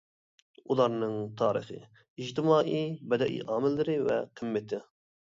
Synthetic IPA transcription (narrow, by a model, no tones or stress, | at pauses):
ulˠɑɾnɨŋt̪ʰɑːɾɨ̰χɨ̰ | id͡ʒt̪ɪmɑːʔibɛd̪ɛʔḭʔɑːmɪlːɪɾɪvɛ̰qʰəmːɪt̪ʰɪ